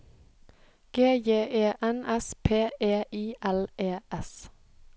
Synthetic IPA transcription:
ɡ̥eːjeːʔeːʔɛnɛspʰeːʔeːʔiːʔɛleːʔɛs

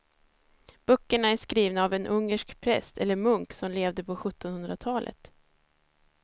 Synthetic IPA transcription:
b̥œkːəɳaæʂkɾiːvnaːvɛnʔɵŋːəʂkpʰɾɛ̰st̪ʰɛlːəɾmɵŋksɔmleːvd̪əpʰɔɧɵt̪ːɔnhɵnd̪ɾat̪ʰɑːlʔə̰t̪

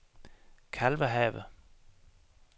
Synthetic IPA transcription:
kʰælʋəɦɛ̰ːʋə

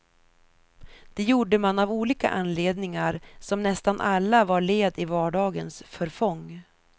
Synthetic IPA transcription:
d̪̥ɛjuːɖəmanavuːliːka̰ʔanːleːd̪nɪŋaɾsɔmnɛst̪anʔalːavaɾɭeːd̪ɪvɑːɖɑːɡənsfœɾfɔŋː

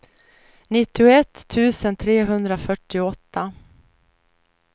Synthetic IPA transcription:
nɪt̪ːɪʊɛt̪ʰːʉ̟ːsənt̪ʰɾeːɦɵnd̪ɾafœʈːɪɔt̪ʰːa

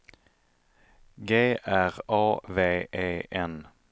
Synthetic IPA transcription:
ɡeːʔæʁɑːʋeːeːʔɛn

